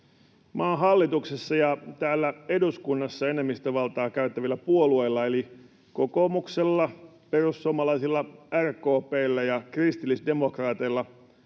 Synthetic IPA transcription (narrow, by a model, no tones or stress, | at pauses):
mɑːnɦɑlːit̪uksesːɑjɑt̪æːlːæeduskunːɑsːɑenemːist̪øʋɑlt̪ɑːkæyt̪ːæʋilːæpuolueilːɑeli | kokomukselːɑ | perussomɑlɑisilːɑærkoːpeilːæjɑkrist̪ilːisde̞mokrɑːt̪eilːɑ